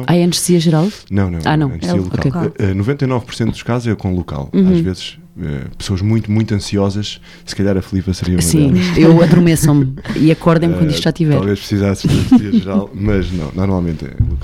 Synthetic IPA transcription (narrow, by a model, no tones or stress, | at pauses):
aɛɐ̃nʃziɐʒɨɾalˠnɐ̃w̃nɐ̃w̃a̰nɐ̃w̃ɐ̃niɐlˠuokekaɛnuvẽnt̪ɐjnɔvpuɾsẽnt̪̚d̪u̥ʃkazuzɛkõlˠuka̰l̃ˠaʒvezʃ | ɛ̰pɨ̥soɐʒmũj̃t̪umũj̃t̪ɐ̃siɔzɐʃ | sɨ̥kɐʎaɾɐflˠipɐsɨɾiɐumɐsĩewɐðɾumesɐ̃miɐkɔɾðɐ̃j̃mkwɐ̃nd̪iʃt̪ʒ̥at̪ivɛɾlˠveʃpɾsizasɐ̃ziɐʒɨɾalˠmɐʒnɐ̰̃w̃nɔɾmalˠmẽnt̪ɛ̰